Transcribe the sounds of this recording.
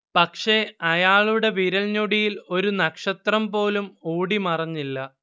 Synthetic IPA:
pɐkʂe̞ɐjaːɭuɽe̞ʋiɾɐlɲoɽijilo̞ɾunɐkʂɐt̪rɐmpo̞ːlumoːɽimɐrɐɲːilːɐ

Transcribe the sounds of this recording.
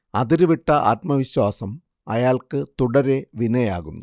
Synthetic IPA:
ɐðiɾuʋiʈːɐʔa̰ːt̪mɐʋiɕwaːsɐm | ɐjaːɭkɨt̪uɽɐɾeʋinɐjaːɣunːu

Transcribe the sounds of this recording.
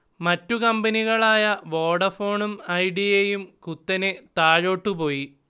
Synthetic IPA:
mɐtːukɐmbɐniɣɐɭaːjɐʋo̞ːɽɐfo̞ːɳumɐjɖijeːjumkut̪ːɐne̞t̪aːɻo̞ːʈːupo̞ːji

